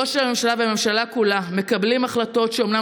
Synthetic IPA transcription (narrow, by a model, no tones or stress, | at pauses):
oʃelame̞mʃalaveme̞mʃalakulame̞kablimaχlato̞tʃeomna